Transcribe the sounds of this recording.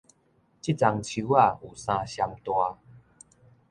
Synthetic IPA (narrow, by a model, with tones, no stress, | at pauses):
t͡ɕi˦t͡sa˧ŋt͡ɕʰu˧wa˥˧˩u˨˩sã˧ɕja˧mt̪wa˧